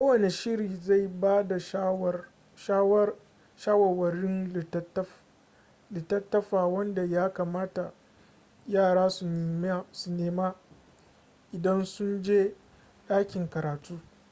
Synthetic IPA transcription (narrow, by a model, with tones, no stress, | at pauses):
kʷo˦wɐ˨ne˨ʃɪ˦ɾiː˨za˦˨jbaː˦da˨ʃ | ʃa˦w | ʃaː˦wɐ˨wɐ˨ɾɪ˦n˨˦ | lɪ˨tɐ˦tːɐ˦ɸaː˨wɐ˦nda˨jaː˦kaː˨maː˦ta˨ | jaː˦˨ɽaː˦su˨ne˨m˦su˨neː˨maː˦ | ʔɪ˨dɐ˦nsʊ˦nd͡ʒeː˦ | ɗaː˦kʲɪ˨ŋkɐ˨ɾaː˨tuː˦